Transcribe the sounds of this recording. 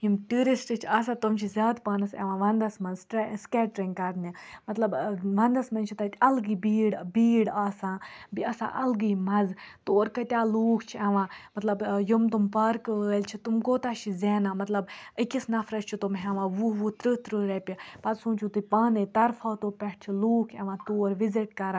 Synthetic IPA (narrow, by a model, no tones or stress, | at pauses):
jimʈuːɾisʈɨt͡ʃʰaːs̬ãt̪umt͡ʃʰizʲaːd̪paːnɐsɛ̰ʋãːʋɐnd̪ɐsmɐnzʈskɛːʈɾĩŋɡkɐɾnimɐt̪lɐbʋɐnd̪ɐsmɐnt͡ʃʰit̪ɐt̪ʲɐlɡiːbiːɽbiːɽaːsãːbiɐsã̰ːʔɐlɡiːmɐzt̪oːɾkɐt̪ʲaːluːkʰt͡ʃʰiɐʋãːmɐt̪lɐbjumt̪umpɐɾkəːlʲt͡ʃʰit̪umkoːt̪aʃizeːnaːmɐt̪lɐbəkʲisnɐfʰɾɐt͡ʃt͡ʃʰit̪umɦɛʋãːʋuʋut̪ɾɨt̪ɾɨɾɐpʲipɐt̪sũːnt͡ʃʰut̪ɨpaːnit̪ɐɾfʰaːt̪oːpʲɛʈ̚ʰt͡ʃʰiluːkʰɛʋãːt̪oːɾʋiziʈkɐɾa